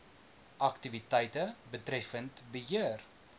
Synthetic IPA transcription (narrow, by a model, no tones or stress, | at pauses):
ʔɐktivitɛjtəbətrɛfəntbəɦiər